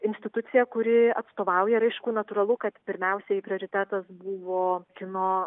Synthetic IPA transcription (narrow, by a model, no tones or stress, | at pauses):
ɪnʲsʲt̪ʲɪt̪ʊt̪sʲɪjɛkʊɾʲɪɐt̪st̪oːʋɐʊjɛɾɐɪʃkuːnɐt̪uːɾɐlˠʊkɐt̪pʲɪɾʲmʲɛʊsʲɛipʲɾʲɪoːɾʲɪt̪ʲæt̪ɐsbuʋoːkʲɪnoː